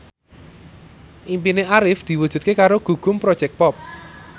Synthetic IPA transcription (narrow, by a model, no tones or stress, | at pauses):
ʔimpineʔaɾɪfd̪̥i̤wudʒ̥ṳt̪kekaɾoɡ̥ṳɡ̥ʊ̤mpɾɔd̥ʒ̥ɛk̚pɔp̚